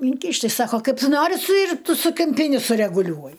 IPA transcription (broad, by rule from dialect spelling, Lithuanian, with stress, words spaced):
ɪŋʲˈkʲiːʃʲtʲ tʲɪ ˈsɑːkoː ˈkɐɪp ˈtʊ ˈnoːrʲɪ sʊ ɪr ˈtʊ sʊ kʲɪmʲˈpʲiːnʲɪ sʊrʲɛɡʊˈlʲuɔjɪ